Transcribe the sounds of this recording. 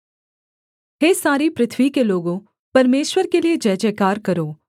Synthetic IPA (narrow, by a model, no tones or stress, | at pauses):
ɦeːsaːɾipɾɪt̪ʰʋikeloːɡõ | pɐɾmeːʃwəɾkelied͡ʒɛːd͡ʒekaːɾkɐɾoː